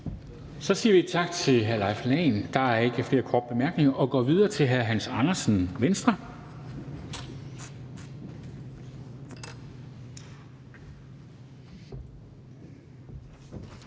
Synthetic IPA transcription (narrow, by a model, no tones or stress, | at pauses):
sɒ̽siːɐʋit͡sʰɑ̈ɡ̥t͡sʰe̝lɦæɐlɑ̈ɪflɛɪnd̥ɑ̈æɐe̝ɡ̥əfle̝ːɐkʰɒːd̥̚b̥e̝mæɐɡ̥ne̝ŋɐʔɒ̽ɡ̥ɒ̰ːʋið̞ˠɐːt͡sʰe̝lɦæɐɦænsɑ̈nɐsn̩ʋensd̥ʁɐ